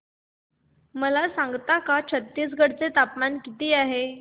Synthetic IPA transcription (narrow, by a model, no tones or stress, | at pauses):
məlasãŋɡt̪akat͡ɕʰət̪ːiːs̬ɡʱəɽt͡set̪apmankit̪iːaɦe